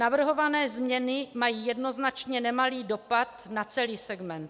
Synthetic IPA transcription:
navr̩ɦo̞vanɛːzmɲɛnɪmajiːjɛdno̞znat͡ʃɲɛnɛmaliːdo̞pat̪nat͡sɛliːsɛɡmɛnt̪

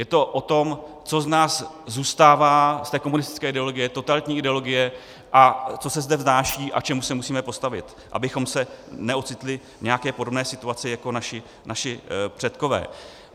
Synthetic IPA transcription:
jɛt̪o̞ʔot̪o̞m | t͡so̞znaːs | zuːst̪aːvaːst̪ɛːko̞munɪst̪ɪ̥t͡skɛːʔɪdɛolo̞ɡɪjɛt̪o̞t̪alɪt̪ɲiːʔɪdɛo̞lo̞ɡɪjɛ | ʔat͡so̞sɛzdɛvznaːʃiːʔa̰k̚t͡ʃɛmusɛmusiːmɛpo̞st̪avɪt̪ | ʔa̰bɪxo̞msɛnɛʔo̞t̪t͡sɪt̪lɪ | ɲɛakɛːpo̞dobnɛːsɪt̪uat͡sɪjako̞naʃɪ | nʔaʃɪpr̥ɛt̪ko̞vɛ̰ː

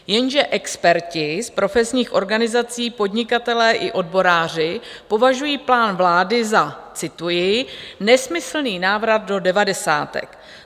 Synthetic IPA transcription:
jɛnʒɛʔɛkspɛɾcɪspɾʔo̞fɛsɲiːxʔo̞ɾɡanɪzat͡siːpo̞dɲɪkat̪ɛlɛːʔɪʔo̞dbo̞ɾaːr̝ɪpo̞vaʒujiːplaːnvlaːdɪzat͡sɪt̪ujɪnɛsmɪsl̩niːnaːvɾad̪̚do̞dɛvadɛsa̰ːt̪ɛ̰k

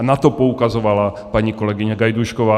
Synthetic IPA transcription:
nat̪ɔpɔukazɔʋala | paɲikɔlɛɡiɲaɡajd̪uʃkɔʋaː

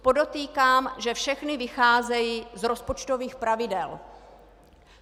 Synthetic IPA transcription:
po̞do̞t̪iːkaːmʒɛfʃɛxnɪvɪxaːzɛjizɾo̞spot͡ʃt̪o̞viːxpɾavɪdɛl

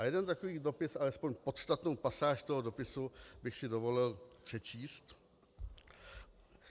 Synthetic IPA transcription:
ajɛdɛnt̪akoviːdo̞pɪsʔalɛspoɲpot̪st̪at̪nowpasaːʃt̪oɦodo̞pɪsubɪxsɪdovo̞lɪlpr̝̥ɛt͡ʃiːst̪

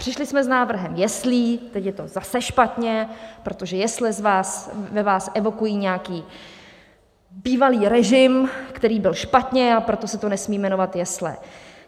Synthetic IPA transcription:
r̝̥ɪʃlɪsmɛznaːvr̩ɦɛmjɛsliːt̪ɛcjɛt̪o̞zasɛʃpat̪ɲɛpɾo̞t̪o̞ʒɛjɛslɛzvaːsvɛvaːsʔɛvo̞kujiːɲɛakiː | biːvaliːɾɛʒɪmkt̪ɛɾiːbɪlʃpat̪ɲɛapɾo̞t̪o̞sɛt̪o̞nɛsmiːmɛno̞vat̪jɛslɛ̰

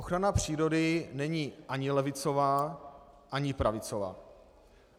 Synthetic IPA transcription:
oxɾanapr̝̥iːɾo̞dɪnɛɲiːʔaɲɪlɛvɪt͡so̞vaː | ʔaɲɪpɾavɪt͡sova̰ː

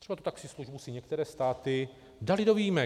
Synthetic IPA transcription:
t̪rɛbat̪u̥t̪aksɪsluʒbusɪɲɛkt̪ɛɾɛːst̪aːt̪ɪ | dalɪdoviːmɛ

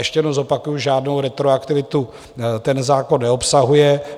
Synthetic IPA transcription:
ɛʃcɛjɛdnozo̞pakujuʒaːdnowɾɛt̪ɾoakt̪ɪvɪt̪u | t̪ɛnzaːko̞nːɛopsaɦujɛ

